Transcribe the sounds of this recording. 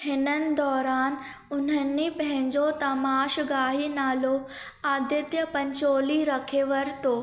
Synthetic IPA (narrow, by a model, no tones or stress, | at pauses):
hɪnənɪ̆d̪ɔːɾaːn | ʊn̤ənːipɐɦɛ̃ɲd͡ʑot̪ɐmaːʃɡaːɦinaːlo | aːd̪jət̪jəpɐ̃ɲt͡ɕoːliɾɐkʰeːʋəɾt̪oː